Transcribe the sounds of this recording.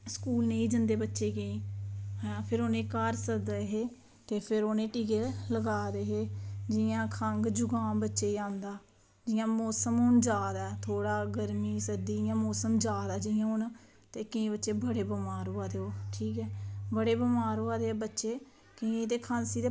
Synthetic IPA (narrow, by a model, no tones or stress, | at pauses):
skuːlneːiːd͡ʒənd̪eːbətːʃeːɡəĩːɛpʰɪɾoːnẽːkaːɾsəd̪ɦeː | t̪eːpʰɪɾoːnẽːʈiːkeːlləɡaːd̪eːɦeːd͡ʒɪjãːkʰəŋɡd͡ʒʊɡãːbətːʃeːãːnd̪aː | d͡ʒɪjãːmɔːsəmʊnd͡ʒaːd̪ɛːt̪ʰoːɽaːɡəɾmiːsəd̪iːjãːmɔːsəmd͡ʒaːd̪ɛːd͡ʒɪjãːʊn | t̪eːkəĩːbətːʃeːbəɽeːbəmaːɾoːaːd̪eːoːʈʰiːkɛːbəɽeːbəmaːɾoːaːd̪eːbətːʃeː | kɪ̃ẽːt̪eːkʰãːnsiːd̪eː